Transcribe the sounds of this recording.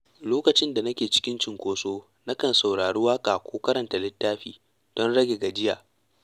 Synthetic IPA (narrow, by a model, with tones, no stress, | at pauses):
loː˦kɐ˨t͡ʃɪ˦nda˨nɐ˦kʲeː˨t͡ʃɪ̥˦kʲɪ˦nt͡ʃɪ˨ŋkʷoː˨soː˦ | na˦kɐ˨nsa˨wɽaː˨ɽu˦waː˦kʼaː˨kʷoː˦kɐ˦ɾɐ˨nta˨lɪ˦tːaː˦ɸiː˦ | d̥ɔ˦nɽɐ˦ɡʲe˨ɡa˨d͡ʒɪ˦jaː˨